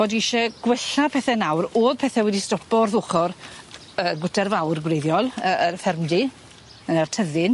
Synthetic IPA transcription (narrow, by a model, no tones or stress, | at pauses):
voːdiɪʃɛɡ̥wɛɬapʰɛθɛnawroːðpʰɛθɛwɛdistɔpɔrðʊχɔr | əːɡʊtʰɛrvawrɡwrejðjɔlˠəərfɛrmdi | ənərtʰəðɪn